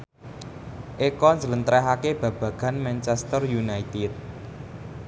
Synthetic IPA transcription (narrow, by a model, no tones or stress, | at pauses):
ʔekɔɲd͡ʒələnt̪ɾɛɦakeb̥ä̤b̥ä̤ɡ̥a̤nmɛnt͡ʃɛst̪ərjunait̪ɪt̪̚